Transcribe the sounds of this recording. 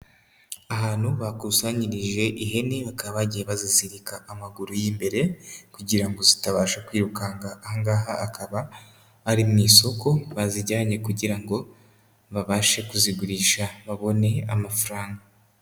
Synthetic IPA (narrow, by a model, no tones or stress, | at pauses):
aɦaːn̥huβakusaɲiɾiʒe̞ʔiɦe̞neβakaββaɟijeβazisiɾikaːmaɡuɾujiːmbe̞ɾe̞kuɟiɾaŋɡo̞zitaβaːʃakwiːɾukaŋɡaaŋɡaːɦaːkʰaβaː | ɾimŋiːso̞ko̞βaziɾɟaːɲe̞kuɟiɾaŋɡo̞ | βaβaːʃe̞kuziɡuɾiːʃaβaβo̞ne̞amafuɾaːŋɡa